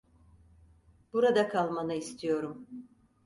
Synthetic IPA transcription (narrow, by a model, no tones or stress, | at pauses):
b̥uɾad̪akʰalˠmanɯist̪ʰijo̞ɾum